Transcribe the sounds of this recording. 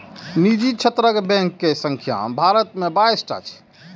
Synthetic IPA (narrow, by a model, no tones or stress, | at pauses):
nid͡ʒit͡ʃʰət̪ɾəɡbɛ̃ŋkːesə̃ŋkʰja̰bʱaɾət̪mebajsʈa̰t͡ʃʰɛ̥